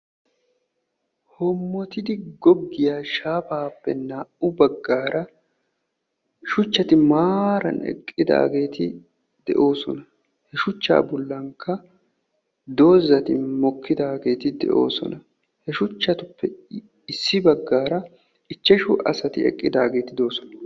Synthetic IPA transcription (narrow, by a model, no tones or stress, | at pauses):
hɔmːɔt̪ɪd̪ɪɡɔɡːɪjaːʃaːbaːpːɛ̰naːʔʊbɐɡːaːɾʔɐ | ʃʊt͡ʃːɐt̪ɪmaːɾɐ̰nɛ̰kʼːɪd̪a̰ːɡe̞ːt̪ɪ | d̪ɛ̰ʔo̞ːsɔ̰nɐ | hɛʃʊt͡ʃːa̰ːbɔlːɐŋkːɐ | d̪o̞ːzːɐt̪ɪmɔkːɪd̪aːɡe̞ːt̪ɪd̪ɛ̰ʔo̞̰ːsɔ̰nɐ | hɛʃʊt͡ʃːɐt̪ʊpːɛ | ɪsːɪbɐɡːaːɾɐ | ɪt͡ʃːɛʃʊʔɐ̰sɐt̪ɪ̰ɛ̰kʼːɪd̪aːɡe̞ːt̪ɪd̪o̞ːsɔ̥nɐ